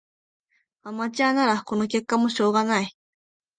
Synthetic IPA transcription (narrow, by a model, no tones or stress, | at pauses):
amat͡ɕanaɾɑkonokekːamoɕoːɢɑnaj